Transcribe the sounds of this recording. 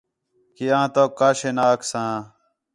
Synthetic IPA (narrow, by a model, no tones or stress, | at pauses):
kiãːt̪oːkːaːɕenaːksãː